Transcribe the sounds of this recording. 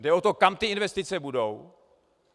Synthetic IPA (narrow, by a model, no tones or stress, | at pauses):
dɛot̪o̞kamt̪ɪɪnvɛst̪ɪt͡sɛbudo̞w